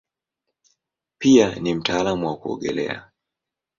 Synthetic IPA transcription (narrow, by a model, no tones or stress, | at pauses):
pianim̩taːlamuwakuɔ̰ɠɛ̰lɛ̰a̰